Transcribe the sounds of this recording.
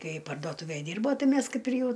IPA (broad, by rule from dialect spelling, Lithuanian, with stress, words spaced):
ˈkɐɪ pɐrdoːˈtuːʋʲæj ˈdʲɪrboː ˈtɐɪ ˈmʲæs ˈkɐɪp ɪr ˈjɛʊ